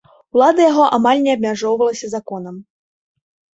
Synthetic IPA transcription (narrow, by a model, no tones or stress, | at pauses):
ulˠad̪ɐjaɣɔʔamalʲnʲɛɐbmʲaʐɔwvɐlˠɐsʲɐzakɔnɐm